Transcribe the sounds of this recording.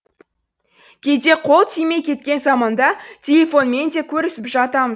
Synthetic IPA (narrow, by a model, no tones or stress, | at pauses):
kʲʰe̞d̪e̞qʰo̞lˠt̪ʰijme̞jkʲʰe̞t̪kʲe̞nzɑmɑnd̪ɑt̪ʲʰelefo̞nme̞nd̪e̞kʲʰɵɾɪsɪpʒɑt̪ɑməz